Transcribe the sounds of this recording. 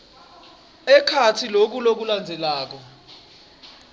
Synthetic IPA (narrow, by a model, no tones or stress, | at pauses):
ɛkʰatʰilok̬ulok̬uland͡zʱɛlaːk̬ɔ